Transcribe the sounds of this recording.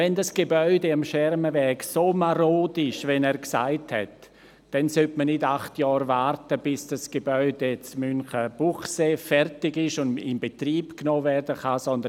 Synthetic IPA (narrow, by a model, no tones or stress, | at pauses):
vɛndasɡ̥ebœʏdeamʃɛɾməvɛːksoːmaɾoːdɪʃvɛnɛːɾksa̰ɪthɛ̰t | d̥ɛnsøtmənɪdaχtjɔːɾvaɾtəb̥ɪsd̥asɡ̥ebœʏdet͡smʏnχəb̥uχseːfɛrtɪɡɪʃʊnɪ̰mbetriːpknoːvɛrdəχasɔnd̪ə